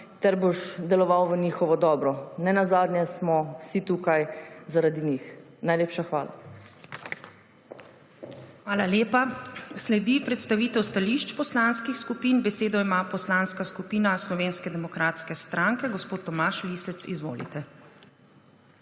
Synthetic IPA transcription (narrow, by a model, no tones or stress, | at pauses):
t̪ɛɾboʃd̪ɛlɔʋawʋəniːxɔʋɔd̪ɔːbɾɔnɛnazaːd̪nʲjɛsmɔsit̪ukajzaɾad̪inix | najleːpʃaxʋaːla̰ | xʋaːlaleːpaslɛd̪ipɾɛt̪st̪aʋiːt̪ɛwst̪aliʃt͡ʃpɔslanskixskupiːnbɛseːd̪ɔimaːpɔslaːnskaskupiːnaslɔʋeːnskɛd̪ɛmɔkɾaːt̪skɛst̪ɾaŋkɛɡɔspoːt̪ːɔmaʃlisɛt̪sḭzʋo̰ːlḭt̪ɛ